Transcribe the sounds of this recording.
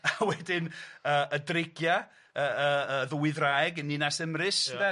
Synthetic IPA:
awɛdɪnəːʔədrɪɡja | əəəðuwɪðrajɡənːinasəmrɨsɛ

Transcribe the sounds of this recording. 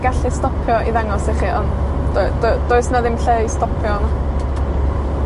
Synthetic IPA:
ɡaɬistɔpʰjɔʔiðaŋɔsɪχiʔɔn | d̥ɔdd̥ɔɨsnaðɪmɬestɔpʰjɔna

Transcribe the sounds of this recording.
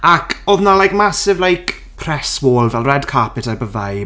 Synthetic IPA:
akʰɔðnalajkmasɪvlajk | pʰrɛswɔːlˠvɛlˠrɛdkʰapɪtʰarbəvaj

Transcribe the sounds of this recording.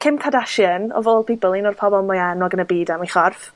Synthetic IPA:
kʰɪmkʰadaʃənɔ̰voːlˠbibʊlˠinɔrpʰɔbɔlˠmɔjanɔɡənəbiːdamiχɔrf

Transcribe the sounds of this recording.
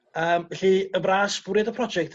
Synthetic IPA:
əːmɛɬiəbraːsfuɾjɛdəpʰrɔd͡ʒɛk̚tʰ

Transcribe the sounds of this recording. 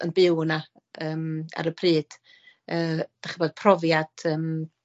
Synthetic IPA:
ə̰nbɪwna | əːma̰ɾəpʰriːd̥ | əːd̥aχəbɔd̚pʰrɔvjad̥əːm

